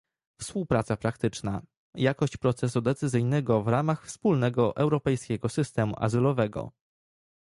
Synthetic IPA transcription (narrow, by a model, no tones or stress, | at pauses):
fspuwpɾat̪sapɾakt̪ɘt͡ʂna | jakɔɕt͡ɕpɾɔt̪sɛsud̪ɛt̪sɘzɘjnɛɡɔvɾamaxfspulnɛɡɔʔɛwɾɔpɛjskʲɛɡɔsɘst̪ɛmṵʔa̰zɘlɔvɛɡɔ̰